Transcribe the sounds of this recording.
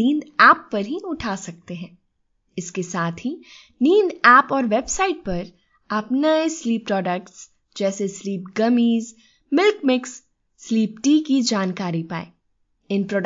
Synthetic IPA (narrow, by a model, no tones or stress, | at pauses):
iːnd̪ɛːpːɐɾɦiʊʈʰaːsɐk̚t̪eɦɛ̃ː | ɪskesaːt̪ʰɦi | niːnd̪ɛːpɔːɾʋebsaːɪʈ̚pɐɾ | ɐpnesliːpɾɔːɖəkʈs | d͡ʒɛːsesliːpɡɐmiːz | mɪlkmɪksː | liːpʈiːkid͡ʒaːnkaːɾipaːḛ̃ː | ɪnpɾɔːɖ